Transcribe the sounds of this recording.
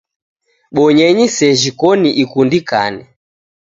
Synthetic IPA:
ɓɔɲɛɲisɛʒikɔniʔikundika̰nɛ

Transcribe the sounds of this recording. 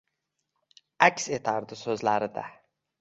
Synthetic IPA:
ækʲset̪ʰaɾd̪ɪsɵzlæɾɪd̪æ̰

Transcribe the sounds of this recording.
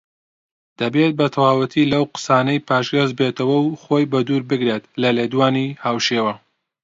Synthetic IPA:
d̪̥ɐbet̪̚bɐt̪ʰɐwaːwɨt̪ʰilɐwqɨ̥saːnɐjpʰaːʃɡɐzbeːt̪ɐwɐwχoːjbɐd̪uːɾbɨɡɾet̪lɐleːd̪waːnihaːwʃeːwɐ

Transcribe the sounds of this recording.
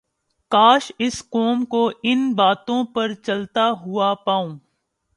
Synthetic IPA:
kaːʃɪsqoːmkoɪnbaːt̪õpɐɾt͡ʃɐlt̪aɦʊapaːõː

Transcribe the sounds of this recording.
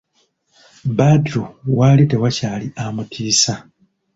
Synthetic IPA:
badɾuwaːlite̞wacaːliamutʰiːsa

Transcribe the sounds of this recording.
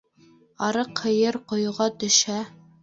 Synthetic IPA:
ɑɾɤqʰɤ̆jɤɾqŏjuʁɑt̪ɵ̆ʃæ

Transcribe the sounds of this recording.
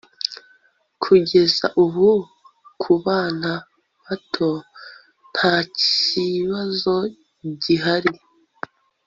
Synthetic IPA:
kʰuɟe̞za̰ʔuhu | kʰuβaːna | βatʰo̞ | n̥haciβazo̞ | ɟiɦaɾi

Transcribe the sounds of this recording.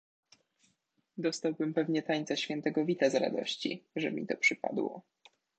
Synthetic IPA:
d̪ɔst̪awbɘmpɛvɲɛt̪aɲt̪saɕfʲjɛnt̪ɛɡɔvʲit̪azɾa̰d̪ɔ̰ɕt͡ɕḭʐɛ̰mʲit̪ɔpʂɘpa̰d̪wɔ̰

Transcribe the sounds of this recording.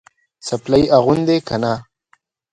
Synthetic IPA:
saplajʔaɣʊnd̪ekana

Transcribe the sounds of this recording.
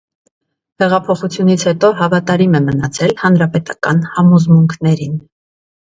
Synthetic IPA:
hɛʁɑpʰɔχut͡sʰjunit͡sʰhɛt̪ɔɦɑvɑt̪ɑɾimɛmənɑt͡sʰɛlhɑnɾɑpɛt̪ɑkɑ̰nhɑmɔzmuŋkʰnɛɾin

